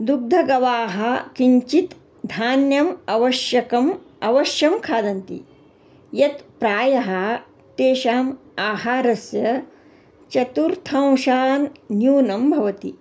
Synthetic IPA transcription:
d̪uɡ̚d̪ʱɐɡɐʋaːɦɐ̆kiɲt͡ʃit̪ | d̪ʱaːnjɐmɐʋɐʃjɐkɐm | ɐʋɐʃjɐmkʰaːd̪ɐnt̪ḭ | jɐt̪pɾaːjɐɦɐ | t̪eːʃaːm | aːɦaːɾɐsjɐ | t͡ʃɐt̪uɾt̪ʰɐ̃w̃ʃaːnːjuːnɐmbʱɐʋɐt̪ḭ

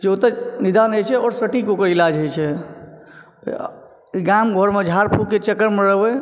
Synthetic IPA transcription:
d͡ʒot̪et͡ʃnid̪anəjt͡ʃʰɛɔɾsəʈikokəɾilad͡ʒət͡ʃʰɛ | ɡamɡʱoɾmed͡ʒʱaɾpʰukkːet͡ʃəkːəɾmeɾəɦbɛ

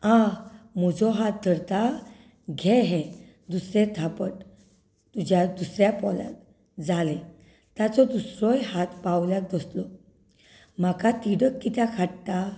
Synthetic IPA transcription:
ãm̤ɔd͡zɔɦat̪̚d̪ʱəɾt̪a | ɡʱɛ̃ɦɛ̃ | d̪usɾet̪ʰapəʈ | t̪ud͡ʑjad̪usɾjapɔla̰k̚ | d͡zalɛ | t̪jat͡sɔd̪usɾɔjɦat̪pawljak̚d̪əslɔ | m̤akat̪iɽəkːit̪jakʰaɽʈa

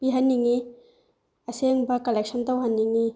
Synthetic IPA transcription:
piɦɐnːiŋi | ɐseŋbɐkɐlek̚sɐntɐwɦɐnːiŋi

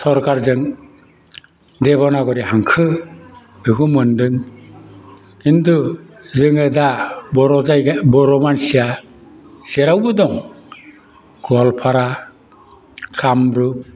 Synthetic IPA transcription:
sɔɾkaɾzɯŋ | deβɔnaɡɔɾiɦaŋkʰɯ | ɯɡumɯndɯŋ | kintuzɯŋɯdabɔɾɔzajbɔɾɔmansija | sɛɾawbɯdɔŋ | ɡɔlpʰaɾa | kʰamɾu

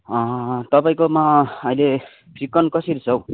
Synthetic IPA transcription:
ʌt̪ʌpaĩkomaʌile | pʰikːʌnkʌsiɾit͡sʰʌw̃

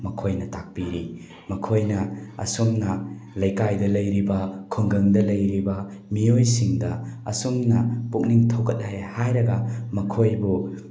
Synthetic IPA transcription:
mɐkʰojnɐtak̚piɾi | mɐkʰojnɐɐ̰sumnɐlɐjkajdɐlɐjɾibɐkʰuŋɡɐŋdɐlɐjɾibɐmiojsiŋdɐɐ̰sumnɐpuk̚niŋtʰɐwkɐt̚hajhajɾɐɡɐmɐkʰojbu

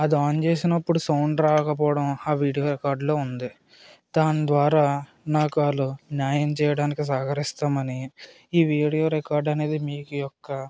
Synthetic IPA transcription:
ɐd̪iaːnt͡ʃe̞ːsinɐpːuɽusɐwɳɖɾaːkɐp̬ɔːɽɐmaːʋiːɽijo̞ːɾɛkaːɾɖlo̞ːund̪i | d̪aːnd̪ʋaːɾaː | naːkuaːlunjaːjɐmt͡ʃɛːjɐɽaːnikisaːkɐɾist̪aːmɐni | iːʋiːɽijo̞ːɾɛkaːɾɖɐne̞ːd̪imiːkujɔkːɐ

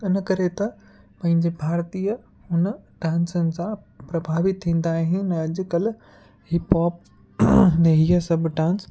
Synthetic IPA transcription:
ɪnkɐɾet̪ɐ | pɐ̃ɦɪ̃ɲd͡ʑebʱaːɾt̪iːə | ɦʊnəɖãːnsənɪ̆sã | pɾɐbʱaːʋɪt̪ʰːĩːn̆d̪aːɦɪ̃nɐɐd͡ʑʊ̆kɐl | hɪpɔːp̚ | nɐɦijəsɐbʱɖãːns

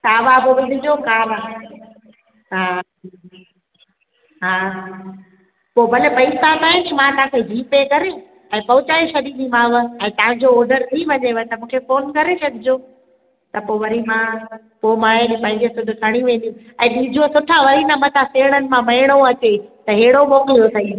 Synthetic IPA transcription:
t̪aːʋabɪʋɪd̪ʱɪd͡ʑokaːʋa | ɦaː | ɦaː | poːbɐlepɐisat̪ãːɪ̃t͡ʃmãt̪ɐãkʰeɦiːpekɐɾe | ɛ̃ːpɐʋʊt͡ɕaːeʃɐɗ̪iɗ̪ĩmãːʋəɛ̃ːt̪ɐ̃ɦɪ̃ɲd͡ʑoɔːɾɖəɾt̪ʰiʋɐɲeʋət̪ɐmũːkʰefoːnkɐɾesʰɐɠɪd͡ʑoː | t̪ɐpoːʋɐɾimã | poːmãːenẽpɐ̃ɦɪ̃ɲd͡ʑesʊd̪ʱʊkʰɐɽ̃iʋẽːn̆d̪ĩ | ɛ̃ːɗiːd͡ʑʱosʊʈʰaʋɐɾinamɐt̪ʰaseːɽ̃ənɪ̆mãmɐɦɪɽ̃oɐt͡ɕet̪ɐɦeːɽoɓoːmjosʰɐĩ

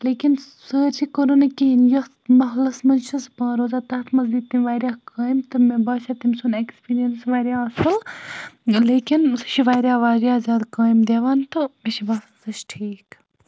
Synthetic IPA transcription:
leːkʲin | səːɾt͡ʃikoɾonɐkiɦinjɐ | mɐɦlɐsmɐnʃʰɐspãːɾoːzaːt̪ɐt̪ʰmɐzd̪it̪ːimʲʋaːɾjaːkaːjmt̪ɨmebaːʃɐt̪imʲsunekspiːɾijɐnsʋaːɾʲjaːɐsfɐl | leːkʲinsʃʰiʋaːɾʲjaːʋaːɾʲjaːzʲaːd̪kaːjimd̪ʲeːʋaːnt̪ɨmeʃibaːsɐnsɐt͡ʃʈʰiːk

